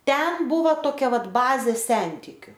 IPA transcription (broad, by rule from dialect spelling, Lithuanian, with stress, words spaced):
ˈtʲɛn ˈbʊʋoː toːˈkʲɛ ˈʋɐt ˈbɑːzʲeː ˈsʲɛnʲtʲɪkʲʊ